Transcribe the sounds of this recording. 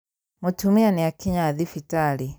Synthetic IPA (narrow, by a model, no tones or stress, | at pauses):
mutumianiakiɲaðifitali